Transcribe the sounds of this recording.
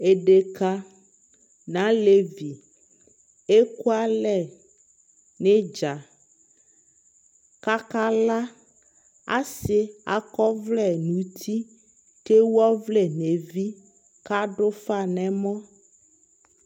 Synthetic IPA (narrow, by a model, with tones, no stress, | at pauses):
e˨ɖe˨ka˦ | nã˨˦le˦vi˨ | e˦ku˦a˦lɛ˨ | ne˦d͡ʒa˨ | ka˦ka˦la˦ | a̰˦sɪ˦a̰˨kɔ˦vlɛ˦nũ˨t̪ʰi˦ | te˦wɔ˦vlɛ˨ne˨vi˦ | ka˦ɖʊ˦fa˨nɛ̃˨mɔ̃˦